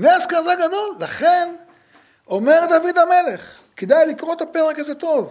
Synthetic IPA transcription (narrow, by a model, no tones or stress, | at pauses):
neskazaɡad̪o̞lːaχen | o̞me̞ʁd̪avid̪ame̞leχ | ked̪ajlikʁoet̪apeʁekazet̪o̞v